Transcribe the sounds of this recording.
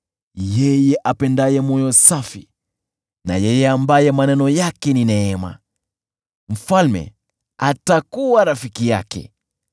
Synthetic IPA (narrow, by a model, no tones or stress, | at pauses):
jɛjɛʔapɛndajɛmɔjɔsafi | na̰jɛjɛambajɛmanɛnɔjakɛninɛɛma̰ | m̩falmɛ̰ | atakuwaɾafikija̰kɛ̰